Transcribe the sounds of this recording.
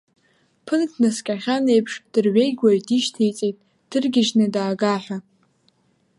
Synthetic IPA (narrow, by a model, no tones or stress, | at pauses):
pʰɨnkʰnɨskʲʼaχʲane̞jpʰʂd̥ɨrɥejɡʷaɥdiʃtʰejt͡sʼejtʼ | d̥ɨrɡʲɪʒnɨdaːɡaħʷᶣa